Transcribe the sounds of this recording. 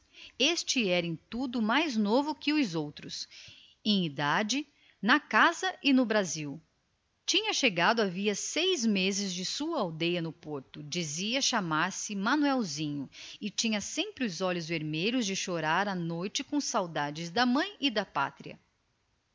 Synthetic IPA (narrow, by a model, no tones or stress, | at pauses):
est͡ʃɪɛɾẽj̃t̪ud̪ʊmajznovʊkɪʊzowt̪ɾʊs | ẽj̃id̪ad͡ʒɪ | nɐkazɐʔɪnʊbɾaziw | t͡ʃĩɲɐʃeɡad̪ʊaviɐsejzmezɪzd͡ʒɪsuɐawd̪ejɐnʊpoɾt̪ʊd͡ʒiziɐʃamaɾsɪmɐ̃nuɛwzĩɲʊɪt͡ʃĩɲɐsẽmpɾɪʊzɔʎʊzveɾmejʎʊzd͡ʒɪʃoɾaɾɐnojt͡ʃɪkõsawd̪ad͡ʒɪzd̪ɐmɐ̃j̃ɪd̪ɐpa̰t̪ɾiɐ̰